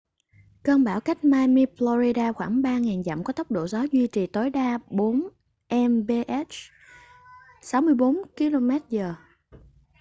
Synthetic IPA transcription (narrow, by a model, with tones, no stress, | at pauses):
kəː˧nɓaː˧˩wka˦˥jk̟̚maː˧mi˧flɔ˧ɾi˧ɗaː˧xwaː˧˩ŋɓaː˧ŋaː˨˩nza̰˧˨mkɔ˨˦t̪ə˦˥wk͡p̚ɗo̰˧˩zɔ˨˦zwi˧t͡ɕi˨˩t̪o˨˦jɗaː˧ɓo˨˦n | ʔɛ˧mɓe˧ʔɛ˦˥t͡ɕ | sa˨˦wmɨ˧əjɓo˨˦nki˧lo˧mɛ˦˥t̚zəː˨˩